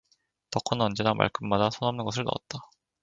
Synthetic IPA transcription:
tʌkʰɯnʌnd͡ʑe̞namʔa̰ɭkʰɯmːadasʰʌnʌmnɯnɡʌsʰɯɭnʌ̰ʌ̰t̚t͈a

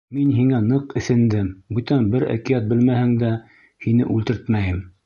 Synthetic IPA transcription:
minɦiŋænɤqɘ̆sɘ̆nd̪ɘmbʉt̪ænbɘɾæ̰kijæt̪̚bɘlmæhɘŋd̪æ | hinɘʔʉlt̪ɘ̆ɾt̪mæjɘm

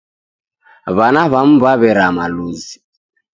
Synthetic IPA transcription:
βanaβam̩βaβɛɾamaluzi

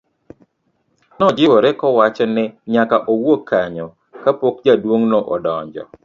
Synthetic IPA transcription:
nɔd͡ʒɪwoɾɛkɔwat͡ʃɔnɛɲakaʔowokʰːaɲɔ | kapokd͡ʒadwoŋnoʔɔdɔɲd͡ʒɔ̰

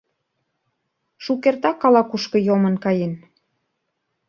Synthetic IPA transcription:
ʃukert̪ɑkːɑlɑkuʃkɤ̆jomə̆nkɑjen

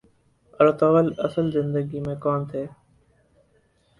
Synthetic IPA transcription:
ɾət̪oːʋələsəlzɪnd̪əɡiːmẽːkɔːnt̪ʰeː

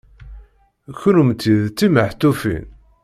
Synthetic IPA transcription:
çʊɾumt̪ːiðt͡s̪ːiməħt̪ːufḭn

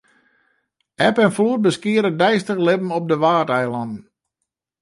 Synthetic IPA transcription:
ɛpɛnfluət̚bəskiəɾədɛjstəxlɪpm̩ɔp̚dəʋaːtɛjlɔnn̩

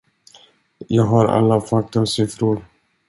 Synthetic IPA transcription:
jɑːɡɦaɾa̰lːafak̚t̪əmsʏfɾʊɾ

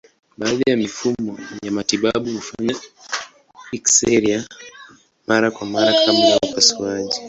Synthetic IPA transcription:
ɓaːðajamifumɔjamatiɓaɓuhufaɲa | iksɛɾia | maɾakwamaɾakʰaɓlaaapasuwaʄi

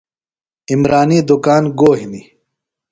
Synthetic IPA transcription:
imɾaːniːd̪ukaːnɡoːɦini

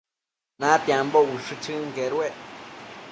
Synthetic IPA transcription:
nãt̪jambouʂɨt͡ʃɨŋɡeɾweʔ

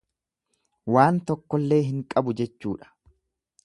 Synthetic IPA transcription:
waːnt̪ɔkːɔlːe̞ːɦɪŋkʼɐbʊd͡ʒɛt͡ʃːuːᶑɐ̥

